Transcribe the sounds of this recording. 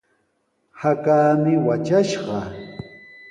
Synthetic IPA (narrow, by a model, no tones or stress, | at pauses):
hakaːmɪwat͡ʃaʃɢɑ